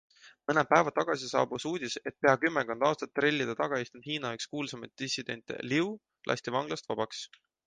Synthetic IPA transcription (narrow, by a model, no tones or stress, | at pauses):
mɤnepæevɑt̪ɑɡ̥ɑsisɑ̰ːbusuːd̪̥ʲise̞t̪̚pe̞ɑkymːeko̞nd̪̥ɑːst̪ɑt̪ːre̞lʲːid̪̥ɑt̪ɑɡ̥ɑest̪und̪hiːnɑekskuːlsemɑt̪̚d̪̥isid̪̥e̞nʲt̪ːˑḛliu | lʔɑ̰sʲt̪evɑŋɡ̥lɑst̪vɑb̥ɑks